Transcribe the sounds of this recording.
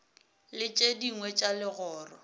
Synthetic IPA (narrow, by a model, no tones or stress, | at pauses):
lɪt͡ʃʼediŋwɛt͡ʃʼalɪɣɔːrɔ